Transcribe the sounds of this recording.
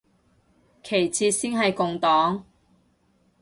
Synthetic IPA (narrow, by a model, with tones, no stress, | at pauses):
kʰe˨˩jt͡sʰiː˧t̚siː˥nɦɐ˨jkʊ˨ŋt̪ɔː˨˥ŋ